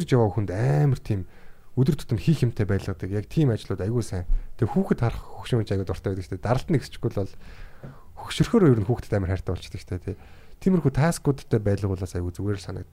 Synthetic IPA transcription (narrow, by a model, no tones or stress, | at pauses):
rt͡ɕjawaːxunt̪æːmə̆r̥t̪ʰiːmɵt̪ɵ̆r̥t̪ʰʊ̥t̪ə̆mxiːxem̥t̪ʰeːpæːt̪ɮə̆t̪ə̆kjakt̪ʰiːmat͡ɕɪ̆ɮʊːt̪ajɣuːsæːŋt̪ʰexuːxɘ̆t̪χarχxɵkʃɪ̆ŋnt͡ɕaɣʊːt̪ʊrt̪æːpæt̪əkt͡ɕʰt̪ʰeːt̪aɾə̆ɬt̪ə̆nekst͡ɕɡujɮɔɮ | xʃɵrxoːɾɔjɵɾɘ̆xuːxt̪ɘ̥̆t̪æːmʲərχær̥ʲt̪ʰæːpɔɬt͡ɕt̪ə̆kt͡ɕʰt̪ʰeːt̪ʰet̪ʰiːmɘ̆rxuːt̪ʰaːskʊːt̪ʰt̪ʰːeːpæːt̪ɮə̆ʁʊːɮaːsajɣuːt͡suɣeːɾɘ̆ɮsanə̆kt̪